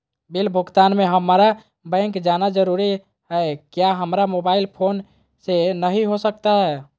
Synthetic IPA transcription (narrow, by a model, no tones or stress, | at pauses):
bilbʱuɡt̪anmeɦəmɾa | bə̃ŋkd͡ʒanad͡ʒəɾuɾi | ɦɛkjaɦəmɾamobailpʰon | senəɦiɦosək̚t̪aɦɛ